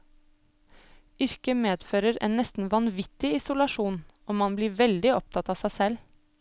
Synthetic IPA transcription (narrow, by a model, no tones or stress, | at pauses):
ʏɾkəmeːd̪føːɾəɾḛːnːɛst̪n̩ʋɑnʋɪt̪ɪɪsʊlɑʂuːnʔɔːmɑnbliːɾʋɛld̪ɪɔp̚t̪ʰɑt̪ɑːsæːsɛl